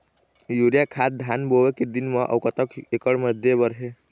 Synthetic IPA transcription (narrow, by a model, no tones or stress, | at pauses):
juɾijakʰad̪̚d̪ʱjanboweked̪inməʔə̰wkət̪əkekəɽməd̪ʱjebəɾɦe